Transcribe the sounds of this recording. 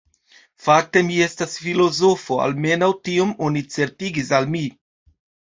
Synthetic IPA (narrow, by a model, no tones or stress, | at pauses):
fak̚te̞mie̞stasfilo̞zo̞fo̞a̰lme̞nawtiomo̞nit͡se̞ɾtiɡisalmi